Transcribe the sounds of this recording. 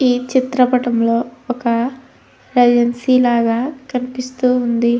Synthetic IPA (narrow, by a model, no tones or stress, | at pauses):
iːt͡ʃit̪ɾɐpɐʈɐmloːɔkɐ | ɾɐd͡ʒɐnsiːlaːɡaːkɐnipist̪uːund̪i